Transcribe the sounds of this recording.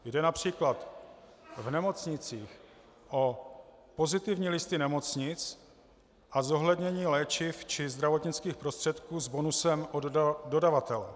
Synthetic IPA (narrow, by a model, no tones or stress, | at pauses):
jdɛnapr̝̥iːklat̪ | vnɛmo̞t͡sɲɪt͡siːx | ʔo̞ | po̞zɪt̪ɪvɲiːlɪst̪ɪnɛmo̞t͡sɲɪt͡s | ʔazo̞ɦlɛd̪ɲɛɲiːlɛːt͡ʃɪft͡ʃɪzd̪ɾavo̞t̪ɲɪt͡skiːxpɾost̪r̥ɛt̪kuːzbo̞nusɛmʔododavat̪ɛlɛ̰